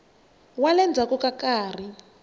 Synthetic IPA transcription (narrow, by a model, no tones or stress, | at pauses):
walɛnd͡zʱakɔkakaːr̤i